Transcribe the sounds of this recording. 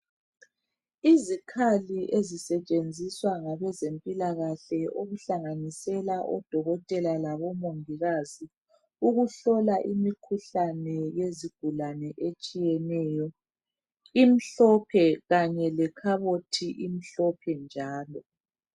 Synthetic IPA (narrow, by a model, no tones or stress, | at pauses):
izikʰaliʔezisɛt͡ʃʼend͡zʱiswaŋaβɛzempʼilaɣaɬɛoɣuɬaŋanisɛlaʔɔd̥ʱɔɣɔtʼɛlalaβɔmoŋiɣazi | uɣuɬɔlaʔimikʰuɬanɛjeziɡ̥ʱulanɛʔet͡ʃʼijɛnɛjɔ | im̩ɬɔpʰɛɣaɲɛlɛkʰaβotʰiʔim̩ɬɔpʰɛnd͡ʒʱaːlɔ